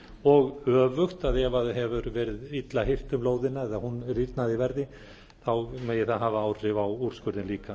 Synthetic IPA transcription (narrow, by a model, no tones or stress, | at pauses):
ɔɣœːvʏxt̪aðɛvaðɦɛvʏɾvɛːɾɪðit̪lahɪr̥t̪ʏmloːwðɪnːaɛðahunriɾt̪naðivɛɾðɪ | θawmeːjɪθaðɦaːvaaːwr̥ɪvawuɾ̥skʏɾðɪnliːka